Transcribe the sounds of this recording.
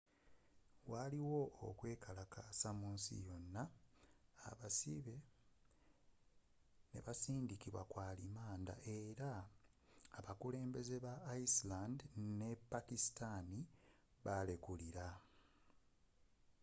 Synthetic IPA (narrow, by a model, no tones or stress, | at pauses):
waliwo̞o̰kwe̞ːkʰalakasamuːnsḭjo̞nːa̰ː | βasiβe̞ | ne̞̰βasiːndikiβwakwaːlimaːnda̰ʔe̞ɾaː | βakule̞ːmbe̞ze̞βaːislandne̞pːakisi̥tani | βale̞kuliɾa